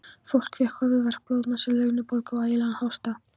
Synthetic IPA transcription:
fowl̥kvjɛhkœvʏðvɛr̥ploːwðt̪nasɛlœːɥnʏpolkawajɪlanhawst̪a

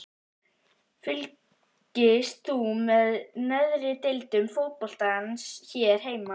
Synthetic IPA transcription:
fʏl | cɪst̪θumɛðnɛðɾɪt̪ɪlt̪ʏmfowt̪̚pɔl̥t̪aansçɛɾ̥ɦeːjma

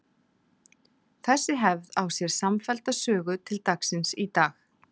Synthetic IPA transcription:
θɛsːɪɦɛvðawsjɛɾ̥samfɛlt̪asœːɣʏt̪ʰɪlt̪aksɪnsit̪aːx

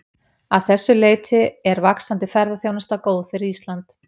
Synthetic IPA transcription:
aðθɛsːʏleːjt̪ʰɪɛɾvaksant̪ɪfɛɾðaθjoːwnast̪akoːwðfɪɾist̪lant̪

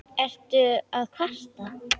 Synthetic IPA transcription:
ɛr̥t̪ʏaðkʰast̪a

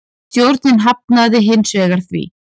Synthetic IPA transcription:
t̪jowɾt̪nɪnɦap̚naðɪɦɪnsvɛːɣaɾ̥θvḭ

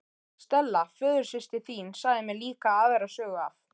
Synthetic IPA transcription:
st̪ɛlːafœːðʏɾ̥sɪst̪ɪθiːnsaːjðɪmɛɾliːkaaːðɛjɾasœːɣʏaf

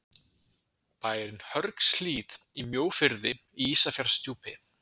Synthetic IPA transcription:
paːjɾɪnhœɾksliːð | imjoːwfɪɾðɪ | iiːsafjaɾ̥st̪juːpɪ

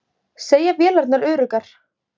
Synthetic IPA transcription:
seːjapjɛːlaɾt̪naɾʏːɾʏkaɾ̥

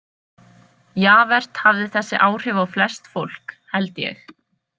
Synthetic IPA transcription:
jaːvɛr̥t̪havðɪθɛsːɪʔaːwr̥ɪːvawflɛst̪fowl̥khɛlt̪jɛ̰x

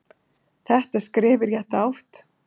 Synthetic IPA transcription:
θɛht̪ḁskɾɛːvɪɾjɛht̪awht̪

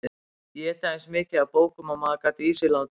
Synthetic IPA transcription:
jɛɛt̪aejnsmɪːcɪðapoːwkʏmamaːkat̪iiːsɪlant̪

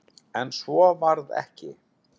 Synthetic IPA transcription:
ɛnsvɔvaɾðɛ̰hcɪ

